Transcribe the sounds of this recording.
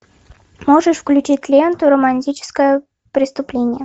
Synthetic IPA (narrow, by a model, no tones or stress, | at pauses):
moʐəʂfklʲʉt͡ɕit̚ʲlʲent̪ʊɾəmɐnʲtʲit͡ɕɪ̥skəjə | pɾʲɪst̪ʊplʲenʲɪjə